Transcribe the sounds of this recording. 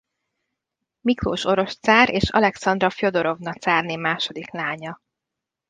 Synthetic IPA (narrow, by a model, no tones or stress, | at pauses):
mikro̰ːʃo̞ɾo̞ʃt̪saːɾeːʃɒ̰lɛksɒnd̪rɒfjod̪o̞ɾo̞vnɒt̪saːrneːmaːʃo̞d̪iklaːɲɒ